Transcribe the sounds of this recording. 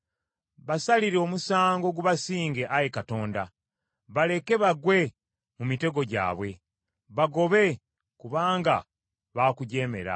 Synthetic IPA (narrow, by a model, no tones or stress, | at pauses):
βasaliɾeomusaːŋɡo̞ɡuβasiːŋɡe̞ʔajekato̞ːnda̰ | βale̞ke̞βaɡwe̞ | mumite̞ɡo̞ɟa̰ːβwe̞ | βaɡo̞βe̞ | kuβaːŋɡa̰ | βaːkuɟe̞ːme̞̰ɾa̰